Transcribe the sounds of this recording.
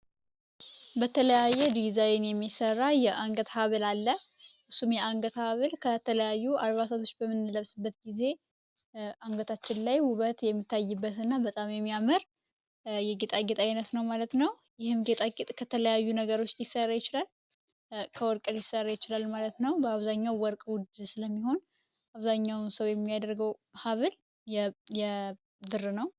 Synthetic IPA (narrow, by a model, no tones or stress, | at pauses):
bət̪ʰələjajːɛd̪izajnjɛmːisərːajɛʔaŋɡət̪haβɨlalːə | ʔɨsːumjɛaŋɡət̪haβɨlkʰət̪ʰələjajːualβasat̪ʰo̞t͡ʃːbəmːɨnːɨləβsɨbːət̪ɡize̞ | ʔaŋɡət̪ʰat͡ʃːɪnlajwʊβət̪jɛmːit̪ːajːɨbːət̪ɨnːabət̪ʼamjɛmːijaməɾ | jɛɡet̪ʼaɡet̪ʼajnət̪nəwmalət̪nəw | jɪhɨmɡet̪ʼaɡt̪ʼkʰət̪ʰələjajːunəɡəɾo̞t͡ʃːjjɪsːərːajɪt͡ʃɪlal | kʰəwɔɾkʼəɾjɪsːərːajɪt͡ʃɪlalmalət̪nəwbəaβzaɲːawːɔɾkʼwʊd̪sɨləmːiho̞n | ʔaβzaɲːawnsəwjɛmːijad̪əɾɡəwhaβɨl | jɛjɛ | bɨrɨnəw